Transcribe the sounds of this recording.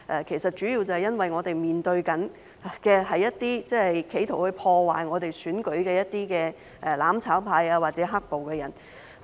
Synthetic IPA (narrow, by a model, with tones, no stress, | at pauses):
ʔɛ˨˩kʰe˨˩jsɐ˨t̚t͡ʃyː˨˥jiː˧wt͡sɐ˨˧hɐ˨jɐ˥nwɐ˨jŋɔː˨˧t̪e˨jmiː˨nt̪ɵ˧ɥkɐ˨˥n˨ | kɛː˧ɦɐ˨jːɐ˥t̚t̪iː˥t͡sɛ˥hɐ˨jkʰe˨˥jt̪ʰo˨˩whɵ˧ɥpʰɔː˧waː˨jŋɔː˨˧t̪e˨jsyː˨˥nkɵ˨˥ɥkɛː˧jɐ˥t̚t̪iː˥kɛː˧ | ʔɛ˨˩laː˨˥mt͡sʰaː˨˥wpʰaː˧jaː˧waː˨t̚t͡sɛː˨˦˥ɦɐ˥k̚po˨wkɛː˧jɐ˨˩n